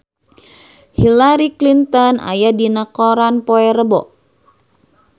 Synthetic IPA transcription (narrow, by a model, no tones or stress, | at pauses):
hilaɾiklint̪ɔna̰jadinakɔɾanpoɛɾəbɔʔ